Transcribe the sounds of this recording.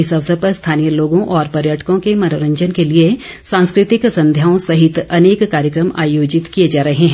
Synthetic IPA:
ɪsɐʋəsəpɐɾst̪ʰaːnijəloːɡõʔɔːɾpɐɾjəʈʰə̥kõkemɐnoɾə̃ɲd͡ʒənkelie | sãːnskɾɪt̪ɪksɐ̃nd̪ʱjaːõsɐɦɪt̪ɐneːkːaːɾjəkɾəma̰ːjoːd͡ʒɪt̪kijed͡ʒaːɾɐɦeɦɛ̃

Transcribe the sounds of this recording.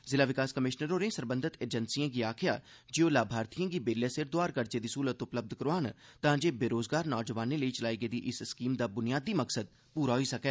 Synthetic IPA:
zɪlaːʋɪkaːskəmɪʃnəɾoːɾẽːsəɾbə̃nd̪ʱɪt̪eːd͡ʒənsiːãːɡiːaːkʰɪjaː | d͡ʒɪõːlaːbʱaːɾt̪ijãːɡiːbeːljaːsɪɾd̪oaːɾkəɾd͡ʒeːd̪iːsuːlət̪ʊpləb̚d̪kəɾaːnt̪ãːd͡ʒeːbeːɾoːzɡaːɾnɔːd͡ʒəʋaːneːləiːt͡ʃəlaːiːɡeːd̪iːʔɪsskiːmd̪aːbʊnɪjaːd̪iːməksəd̪̚ | puːɾaːɦoiːsəkɛː

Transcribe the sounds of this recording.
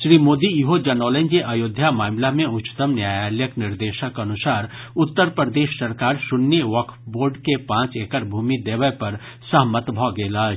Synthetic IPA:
ʃɾiːmoːd̪iiɦod͡ʒɐnɔːlẽnd͡ʒeʔɐjoːd̪ʱjamaːmlamẽʊt͡ʃːt̪əmnjaːjaːljəknɪɾd̪eːʃəkɐnʊsaːɾʊt̪ːəɾpɾəd̪eːʃsɐɾkaːɾʃʊnːəʋɔkboːɾɖkepãːt͡ʃeːkəɾbʱuːmid̪eːʋəjpɐɾ | sɐɦmət̪bʱɔːɡeːlaː

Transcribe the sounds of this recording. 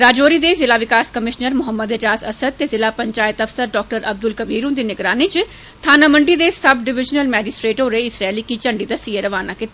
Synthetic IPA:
ɾaːd͡ʒoːɾid̪ezɪlaːʋɪkaːskəmɪʃnəɾmʊɦəmːəd̪ɪd͡ʒaːsɐsəd̪̚t̪ezɪlaːpəɲt͡ʃaːɪt̪ɐfsəɾɖɔːk̚ʈəɾɐb̚d̪ʊlkɐbiːɾũd̪inɪɡɾaːnit͡ʃ | t̪ʰaːnaːməɳɖid̪esɐbɖɪʋɪd͡ʒnəlmɛːd͡ʒɪsʈɾeːʈɦoːɾəeɪsɾaːlikit͡ʃə̃ɳɖid̪asiːeɾɐʋaːnakɪt̪ː

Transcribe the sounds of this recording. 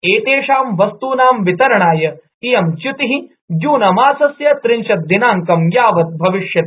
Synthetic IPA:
eːt̪eːʂaːmʋɐst̪uːnaːmʋit̪ɐɾɐɳaːjɐ | ijɐmt͡ʃut̪iɦi | d͡ʒuːnɐmaːsɐsjɐt̪ɾiɲʃɐt̪̚d̪inaːŋkɐmjaːʋɐt̪̚bʱɐʋiʂjɐt̪

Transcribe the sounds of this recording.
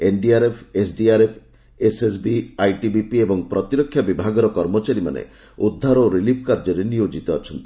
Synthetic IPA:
enɖiaɾepʰesɖiaɾepʰ | eses̬biajʈibipiebɔŋpɾɔt̪iɾɔkʰːjabibʱaɡɔɾɔkɔɾmɔt͡ʃaɾima̰nḛ | ud̪ʱːaɾɔɾilip̚kaɾd͡ʒɔɾenijod͡ʒit̪ɔːt͡ʃʰɔnt̪i̥

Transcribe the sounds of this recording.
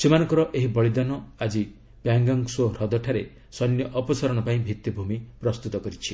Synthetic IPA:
semanɔ̃ŋkɔɾɔʔeɦibɔɭid̪anɔad͡ʒi | pjaŋɡaŋsoɾɔd̪ɔʈʰaɾe | sɔnːjɔʔɔpɔsaɾɔɽ̃ɔpaĩbʱit̪jibʱumipɾɔst̪ut̪ɔkɔɾit͡ʃʰi

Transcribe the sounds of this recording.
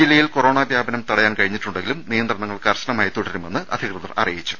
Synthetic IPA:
ilːɐjilko̞ro̞ːɳaːbʱjaːbɐnɐmt̪ɐɽɐjaːnkɐɻiɲːiʈːuɳɖeŋɡilumnijɐnd̪rɐɳɐŋːɐɭkɐrɕɐnɐmaːjt̪oɽiɾume̞nːɨʔɐ̰d̪ʱikrɨðɐrɐ̰rijit͡ɕːu̥

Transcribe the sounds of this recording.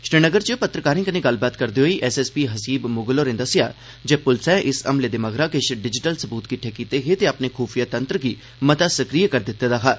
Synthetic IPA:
ʃɾɪnəɡəɾt͡ʃːpət̪ɾəkaːɾɪ̃ŋkənẽːɡəlbaːt̪kəɾd̪eɦoiːʔɛːsɛːspiːɦəsiːbmʊɡloːɾẽːd̪əsɪja̰ː | d͡ʒeːpʊlsɛ̃ːʔɪsə̰mleːd̪eːməɡɾaːkeʃɖɪd͡ʒɪʈəlsəbuːt̪kɪʈʰːeːkiːt̪eːɦet̪eapneːxuːfʰijaːt̪ənt̪ɾəɡiː | mət̪aːsəkɾiːkəɾd̪ɪt̪ːeːd̪aːɦaː

